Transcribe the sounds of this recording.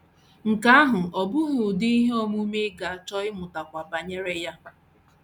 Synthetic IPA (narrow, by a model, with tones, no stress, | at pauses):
ŋ̩˨ka˦a˦ɦʊ˨ɔ˨bʊ˦ɦʊ˨dɪ˦i˦ɦe˦ɔ˨mu˦me˦ɡa˨t͡ʃɔ˦ɪ˦mʊ˨ta˨kʷa˨ba˨ɲe˦ɾe˦ja˦